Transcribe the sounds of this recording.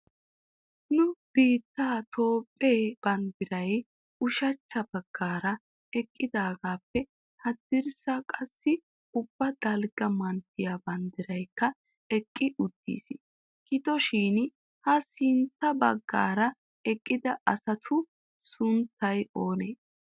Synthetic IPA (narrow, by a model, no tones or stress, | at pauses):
nʊb̥iːt̪ːaːt̪ʰo̞ːpʼːeːb̥ɐnd̪ɪɾɐj | ʊʃɐt͡ʃːɐbɐɡ̥ːaːɾɐ | ɛkʼːɪd̪aːɡaːpːɛ | hɐd̪ɪɾsɐkʼɐsːɪ | ʊbːɐd̪̥ɐlɡɐmɐnt̪ːɪjabɐnd̪ɪɾɐjkːɐ | ɛkʼːɪʔʊt̪ːḭːs | kɪt̪ɔʃiːn | hɐsɪnt̪ːɐbɐ̰ɡːa̰ːɾɐ | ɛkʼːɪd̪ɐʔɐsɐt̪ʰʊ | sʊnt̪ːɐjo̞ːneː